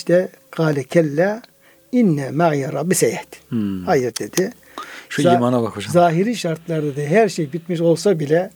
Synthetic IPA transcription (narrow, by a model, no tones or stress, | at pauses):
ʃt̪ʰɛ | qʰɑːlʲɛcʰɛlːæ | inːɛmajaɾˤɑbːisɛjɛt̪hajɯɾd̪̥ed̪ɪ | ʃuaiːmanabakʰod͡ʒazaːɦiɾiːʃaɾt̪ʰlˠaɾad̪aɦæɾʃejbit̪miʃo̞lˠsabilʲɛ